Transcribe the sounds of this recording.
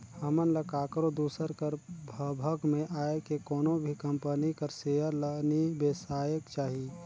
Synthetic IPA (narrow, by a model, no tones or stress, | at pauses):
həmənləkaːkɾod̪uːsəɾkəɾbʱəbʱəɡmẽʔaːekekɔːnõbʱikɐmpənikəɾseːəɾlənibesaːjəkt͡ʃaːɦi